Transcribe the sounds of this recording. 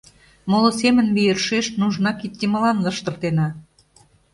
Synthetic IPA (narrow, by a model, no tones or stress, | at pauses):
molosemənmijə̆rʃeʃnuʒnɑkit̪̚ʲkʲemə̆lɑnlɤ̆ʃt̪ə̆rt̪enɑ